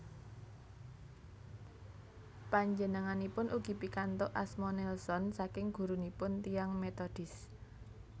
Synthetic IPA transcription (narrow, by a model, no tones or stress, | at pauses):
paɲd͡ʒənəŋanipʊnʔuɡ̥i̤pikant̪ɔʔasmɔnɛlsɔnsakɪŋɡ̥ṳɾunipʊnt̪ijaŋmet̪ɔd̥ɪ̤s